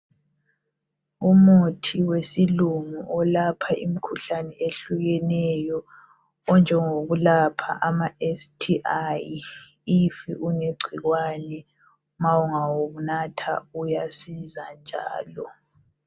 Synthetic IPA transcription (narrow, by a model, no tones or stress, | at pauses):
umutʰiwesilumuʔɔlapʰaʔimikʰuɬanɛeɬuɣɛnɛjɔ | ɔnd͡ʒʱɛŋoɣulapʰa̰ʔamaestʰiʔajifḭʔuneɡ͡ǀʱiɣwaːnɛ | mawuŋawuɣunatʰa̰ujasizand͡ʒʱa̰ːlɔ